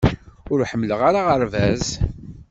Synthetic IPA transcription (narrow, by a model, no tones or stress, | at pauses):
ʊɾħəmːləʁaɾaʁəɾvæz